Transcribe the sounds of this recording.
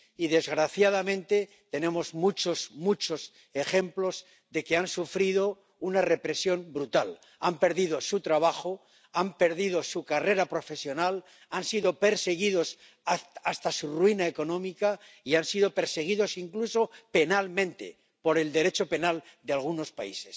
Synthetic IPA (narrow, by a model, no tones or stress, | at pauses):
iðe̞zɣɾaθjað̞amẽ̞nt̪e̞ | t̪e̞nẽ̞mo̞zmut͡ʃo̞smut͡ʃo̞s | e̞χe̞mplo̞z | ðe̞ke̞ansufɾiðo̞ | unare̞pɾe̞sjo̞mbɾut̪al | ampe̞ɾðið̞o̞sut̪ɾaβ̞axo̞ | ampe̞ɾðiðo̞sukare̞ɾapɾo̞fe̞sjo̞nal | ansiðo̞pe̞ɾse̞ɣ̞iðo̞s | aast̪asurwinaeko̞nõ̞mikaiansiðo̞pe̞ɾse̞ɣ̞iðo̞siŋkluso̞pe̞nalmẽ̞nt̪e̞̰ | po̞ɾe̞ld̪e̞ɾe̞t͡ʃo̞pe̞nald̪ealɣ̞uno̞spa̰ise̞s